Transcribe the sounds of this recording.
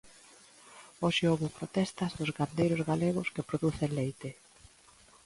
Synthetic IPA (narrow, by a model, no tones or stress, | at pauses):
oʃɪoβʊpɾot̪ɛst̪ɐzðʊzɣand̪ejɾʊzɣaleɣʊskepɾoðuθenlejt̪e